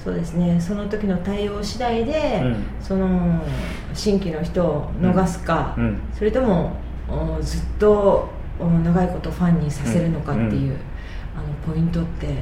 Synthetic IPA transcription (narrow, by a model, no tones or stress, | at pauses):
so̞̰ːd̪e̞sɨne̞so̞no̞t̪o̞kʲino̞t̪aio̞ːɕid̪aid̪e̞so̞no̞ | ɕĩŋkʲino̞çi̥t̪o̞ːno̞ɡasɨ̥kaso̞ɾe̞t̪o̞mo̞ | d͡zɨt̪ːo̞ | naɡaiko̞t̪o̞ɸãɲ̟ːisase̞ɾɯ̟no̞kat̪ːe̞jɯ̟ː | ano̞po̞ĩnt̪o̞t̪ːe̞